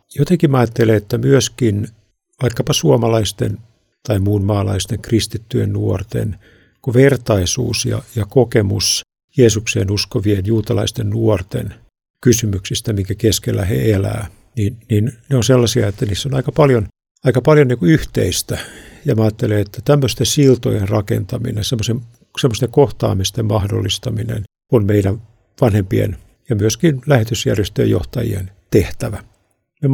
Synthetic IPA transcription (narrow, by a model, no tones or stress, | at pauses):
jot̪eŋkimɑːt̪ːeleet̪ːæmyøskin | ʋɑikːɑpɑsuomɑlɑist̪ḛn | t̪ɑimuːnmɑːlɑ̰ist̪eŋkrist̪it̪ːyjḛnnuort̪ḛn | kuʋert̪ɑisṵːsjɑ̰jɑkokemus | jeːsuksḛːnuskoʋienjuːt̪ɑlɑ̰ist̪ennuort̪ḛn | kysymyksist̪æmiŋkækeskelːæhḛelæ̰ː | ninninneonselːɑsiɑet̪ːæniːsːonɑikɑpɑljon | ɑikɑpɑljoniːkuyht̪ḛist̪æjɑmeɑːt̪ːeleet̪ːæt̪æmːøst̪esilt̪o̰jerrɑkḛnt̪ɑmḭnensemːosem | semːost̪eŋkoht̪ɑ̰ːmest̪emmɑhdo̰lːist̪ɑminḛn | onmeidæn | ʋɑnhempiḛn | jɑmyøskinlæhet̪ysjæ̰rjest̪ø̰jo̰ht̪ɑjḭḛnt̪eht̪æʋæ | ne